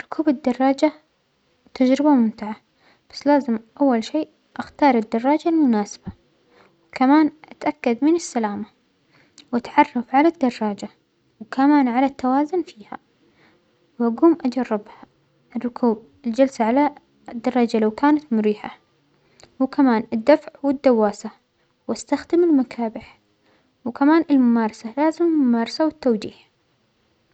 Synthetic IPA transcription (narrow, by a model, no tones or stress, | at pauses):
ɪrˤːʊkʰuːbɪd̪ːɑrˤːɑːd͡ʒa | t̪ad͡ʒɾɪbamʊmt̪ɪʕa | b̥ḁsːlaːzɪmʔawːalʃiːʔ | ʔaxt̪ɑːɾˤɪd̪ːɑrˤːɑːd͡ʒalmʊnaːsɪ̥b̥a | wkamaːnʔat̪ʔakːad̪mɪnɪsːalaːma | wɪt̪ʕɑrˤːɑfʕalad̪ːɑrˤːɑːd͡ʒa | wkamaːnʕalat̪ːawaːzʊnfiːha̰ | wʔaɡuːmʔad͡ʒɑrˤːɪbha | ɪrˤːʊkʰuːb̚ | ɪld͡ʒalsaʕala | d̪ːɑrˤɑːd͡ʒalawkaːnat̪mʊɾiːħa̰ | wkamaːnɪd̪ːafʕwɪd̪ːawːaːsa | wast̪axd̪ɪmɪlmakʰaːbɪħ | wkamaːnɪlmʊmɑːɾˤɑsalaːzɪmmːʊmɑːɾˤɑsawɪt̪ːawd͡ʒiːh